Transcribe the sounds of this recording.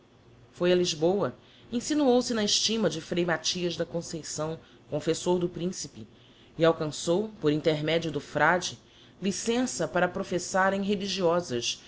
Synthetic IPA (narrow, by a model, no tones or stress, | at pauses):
fojɐliʒbowɐ | ẽsinuowsɪnɐɪʃt͡ʃimɐd͡ʒɪfɾejmat͡ʃiɐzd̪ɐkõsejsɐ̃w̃ | kõfesoɾd̪ʊpɾĩsipɪ | ɪawkɐ̃sowpoɾĩnt̪eɾmɛd͡ʒiʊd̪ʊfɾad͡ʒɪ | lisẽsɐpaɾɐpɾofesaɾẽj̃ɦeliʒiɔzɐʃ